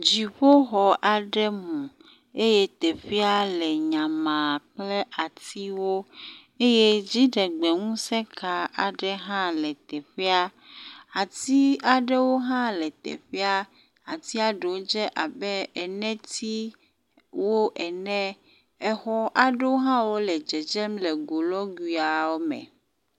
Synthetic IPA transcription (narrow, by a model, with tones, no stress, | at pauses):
d͡ʑi˨ɸo˦xɔ˨ʔa˨ɖɛ˦mũ˨ | e˦je˦t̪e˨ɸi˦a˦lɛ˨ɲã˨mã˨k͡ple˦ʔa˨t̪i˦wo˦ | e˦je˦d͡ʑi˦ɖɛ˨ɡ͡be˨ŋũ˦sɛ̃˦kʰa˨a˨ɖɛ˦ɦã˦lɛ˨t̪ɛ˨ɸi˦a˦ | a˨t̪i˦a˨ɖe˦wo˦ɦã˦lɛ˨t̪ɛ̰˨ɸɛ˦a˦ | a˨t̪i˦a˨ɖe˨wo˦d͡ʒɛ˦ʔa˨bɛ˦ɛ˨nɛ̃˦t̪i˦ | wo˦ʔɛ˨nɛ̃˦ | ɛ˨xɔ˦ʔa˨ɖe˦wo˦ɦã˦wo˦lɛ˨d͡ʒɛ˨d͡ʒɛ˦mlɛ˨ɡo˨lɔ˦ɡwi˨a˨wo˦mɛ̰̃˨